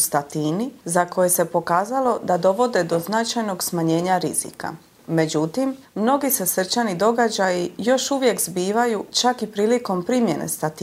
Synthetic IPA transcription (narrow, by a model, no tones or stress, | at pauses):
st̪at̪iːnizako̞je̞se̞po̞kaːzalˠo̞d̪ad̪o̞ʋo̞d̪e̞d̪o̞znat͡ʃajno̞ɡsmaɲe̞ːɲaɾiz̥ḭka̰ | me̞d͡ʑut̪imːno̞ɡise̞sr̩t͡ʃanid̪o̞ɡad͡ʑajijo̞ʃuʋje̞kzbiːʋajut͡ʃakipɾiːliko̞mpɾimje̞nḛst̪at̪ː